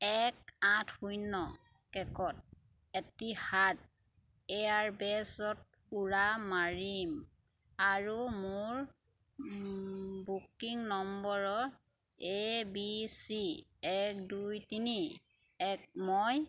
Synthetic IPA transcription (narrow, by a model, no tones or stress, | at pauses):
ɛkãtʰhujnɔ | kɛkɔt̚ | etihat̚ | ɛjaɹbɛsɔt̚puɹamaɹim | aɹumʊɹ | bukiŋnɔmbɔɹɔ | ebisiɛk̚dujtini | ɛk̚mɔj